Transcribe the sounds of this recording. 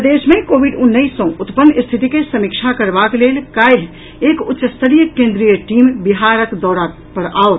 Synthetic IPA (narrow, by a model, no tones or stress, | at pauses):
d̪eʃmekoːbiɖʊnːəisːə̃ʊt̪pənːɪst̪ʰit̪ikesəmikt͡ʃʰakəɾbakleːlkaeɦ | ekʊtːʃəst̪ʰəɾijəkẽːnd̪ɾijəʈiːmbiɦaɾəkd̪ɔːɾa | pəɽaːot̪